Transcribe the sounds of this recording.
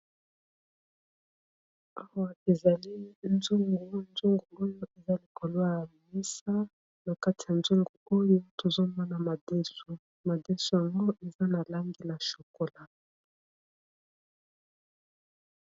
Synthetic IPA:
a˦wa˨e˨za˨li˦nzu˦ŋɡɡu˨˦nzu˦ŋɡu˨o˦jo˦e˨za˦li˨ko˨lwa˦a˨mi˦sa˦ | na˨ka˦ti˨ja˨nzu˦ŋɡu˨o˦jo˦to˨zo˦mɔ˦na˨ma˨de˦su˨ | ma˨de˦su˦ja˨ŋɡo˦ʔe˨za˦na˨la˦ŋɡi˦na˨ʃo˨ko˨la˨

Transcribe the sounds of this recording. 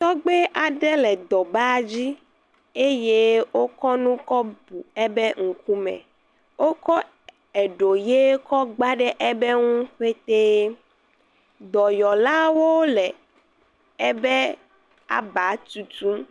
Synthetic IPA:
t̪ɔ˦ɡ͡be˦ʔa˨ɖɛ˦lɛ˨d̪ɔ˨ba˦d͡ʑi˦ | e˦je˦wo˦kɔ˦nũ˦kɔ˦bu˨ɛ˦bɛ˦ŋ̩˨ku˦mɛ̰̃˨ | wo˦kɔ˦ | ɛ˨ɖo˨je˦kɔ˦ɡ͡ba˦ɖɛ˦ʔɛ˦bɛ˦ŋũ˦ɸe˦t̪e˦ | d̪ɔ˨jɔ˨la˦wo˦lɛ˨ | ɛ˦bɛ˦ | a̰˦ba˨˦t̪u˨t̪u˦

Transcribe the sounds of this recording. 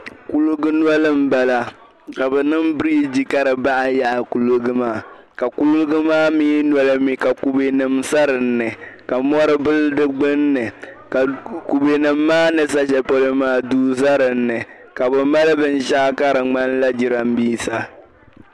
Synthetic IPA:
ku˦lu˦ɡɨ˦n˦a˦lɨ˦m̩˦ba˨la˨ | ka˨bɛ˨nɨ˦mbɾiː˦d͡ʒi˦ka˦ɾɨ˨ba˦ʔa˦ja˦˨ʔa˨ku˨lu˦ɡɨ˦maː˦˨ | ka˨ku˦lʊ˦ɡɨ˦maː˦mi˦nwɔ˦lɨ˦mi˦ka˨ku˨be˨nɨ˨msa˦ɾɨ˨n̩ːɨ˨ka˨mɔ˦ɾɨ˦bɨ˦ldɨ˦ɡ͡bɨ˦nːɨ˨ka˨ku˨be˨nɨ˨mːaː˦nɨ˨sa˦ʃɛ˦po˦lɨ˦maː˦duː˦za˦ɾɨ˨nːɨ˨ | ka˨bɛ˨ma˦lɨ˦bɨ˦n˦ʃa˦ka˦ɾɨ˨ŋ͡ma˦nla˦d͡ʒi˨ɾa˨m̩˦biː˦sa˦

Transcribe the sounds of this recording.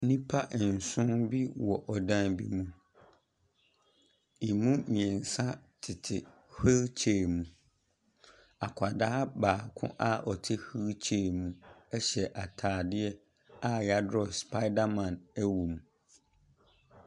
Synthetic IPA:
nĩ˦pʰa˦ʔn̩˨sʊ̃˦nbi˦wɔ˨ʔɔ˨dã˦nbḭ˦mũ˦ | i˨mũ˦mĩ˨ɛ̃˨n̩˨sã˦tʰɪ˨tʰɪ˨ | he˦lt͡ɕʰe˨mũ˨ | a˨kʷʰa˨da˦a˦baː˨kʰʊ̰̃˦ʔa˦ɔ˨tʰɪ˦hi˦t͡ɕʰe˨mũ˦ɛ˦ɕɛ˨ʔa˨tʰaː˨dɪ˦ɛ˦ | a˦ja˦dɾɔ˨spʰa˦ɪ˦da˦mã˨næ˦wu˨mũ˨

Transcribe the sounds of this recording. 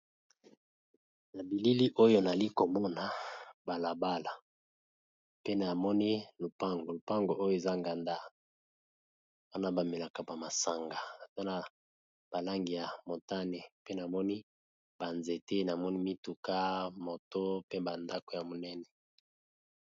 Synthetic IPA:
na˨bi˨li˦li˦ʔo˦jo˦na˨li˦ko˨mɔ˦na˨ba˨la˨ba˦la˨ | pe˦na˨mɔ˦ni˦lo˨pa˦ŋɡo˨lo˨pa˦ŋɡo˨ʔo˦jo˨e˨za˦ŋɡa˨nda˦ | wa˦na˦ba˨me˨la˨ka˨ba˨ma˨sa˨ŋɡa˨ta˦na˦ | b̥a˨la˦ŋɡi˨ja˨mo˨ta˦ne˨pe˦na˨mɔ˦ni˦ | b̥a˨nze˨te˦na˨mɔ˦ni˦mi˦tu˨ka˦mo˨to˦pe˦ba˨nda˦ko˨ja˨mo˨nɛ˦nɛ˨

